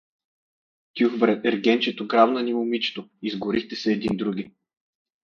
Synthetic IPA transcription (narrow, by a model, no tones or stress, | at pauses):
t̪ʲjuxbɾɛt̪ɛɾɡɛnt͡ʃɛt̪oɡɾavnɐnimʊmit͡ʃɛ̥t̪oizɡʊɾixt̪ɛsɛːd̪ind̪ɾuɡ̟ʲi